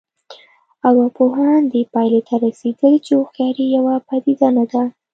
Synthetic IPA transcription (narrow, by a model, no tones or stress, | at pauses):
awɑpoɦɑnd̪epɑjlet̪ʰaɾased̪əlt͡ʃeoxjɑɾijawapad̪id̪anad̪a